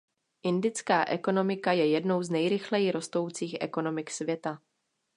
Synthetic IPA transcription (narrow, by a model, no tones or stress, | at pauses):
ʔɪndɪt͡skaːʔɛko̞no̞mɪkajɛjɛdno̞wznɛjɾɪxlɛjɪɾo̞st̪o̞wt͡siːxʔɛ̰ko̞no̞mɪksvjɛt̪a